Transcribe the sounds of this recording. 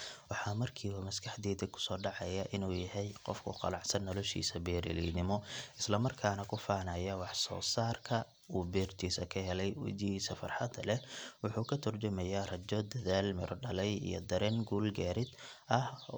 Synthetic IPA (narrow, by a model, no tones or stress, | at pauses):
wɑħɑːmɐrkʰiːβɐmɐskʰɐħd̪ɛːd̪ɪɡkʰʊ̥sɔːɖɑʕɑjɐʔɪnuːjɐɦɛjqɔ̰fkʰʊ̰qɑ̰lɑʕsɐnːɔlɔʃḭːsɐbɛːɾɪ̰lḭnɪmɔɪslɐmɐrkʰaːnɐkʰʊfaːnɐjɐwɑħsɔ̰ːsaːrkʰɐ | uːbɛːrt̪ʰiːsɐkʰɐɦɛlɛjwɛ̰t͡ʃɪhiːsɐfɐ̰rħɑd̪ɐlɛwʊħuːkʰɐt̪ʰɐrd͡ʒɐmɛjarɐd͡ʒɔd̪ɐðaːlmɪɾʔɔɖɐlɛjḭjɔ̰d̪ɐɾɛːŋɡuːlɡaːɾɪd̪ | ʔɐh